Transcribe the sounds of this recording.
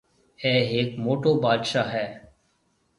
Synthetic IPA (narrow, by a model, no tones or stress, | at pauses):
ɛːɦeːkmoːʈoːbaːd̪ʃaːɦɛː